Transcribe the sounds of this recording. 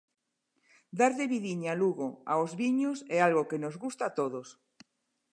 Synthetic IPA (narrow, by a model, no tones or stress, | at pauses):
d̪aɾðeβiðiɲaluɣoaozβiɲosealɣokenozɣust̪at̪oðos